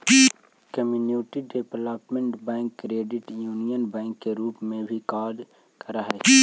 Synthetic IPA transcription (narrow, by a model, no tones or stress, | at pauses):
kəmjuːnuːʈiɖepləpmẽɳʈbɛ̃ːŋkːɾeːɖɪʈjuːnijənbɛ̃ːŋkːeɾuːpmẽbʱikaːɾɖ | kɐɾaɦɛ